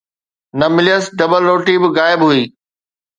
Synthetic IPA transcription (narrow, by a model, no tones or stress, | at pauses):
nɐmɪlijəsɖɐbəlɾoːʈibɪɣaːɪbɦuiː